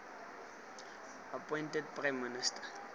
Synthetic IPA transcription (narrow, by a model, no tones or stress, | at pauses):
apʼɔjntɛdpʼrajmːinɪstḁ